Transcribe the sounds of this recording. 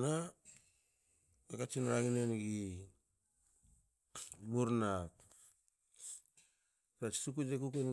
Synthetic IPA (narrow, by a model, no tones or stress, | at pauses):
na | ɡakat͡ʃinɾaɡinenɡi | buɾnak | kɾat͡ʃi̥suk̬ud͡ʒek̬ukun